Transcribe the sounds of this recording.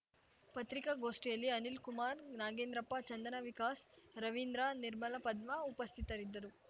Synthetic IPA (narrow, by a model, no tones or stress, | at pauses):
pɐt̪ɾikaɡoːsʈeːlːiɐnilkumaːɾnaːɡeːnd̪ɾɐpːɐt͡ʃɐnd̪ɐnɐʋikaːsɾɐʋind̪ɾaniɾmɐlɐpɐd̪mɐupɐst̪ʰit̪ɐɾid̪ːɐɾu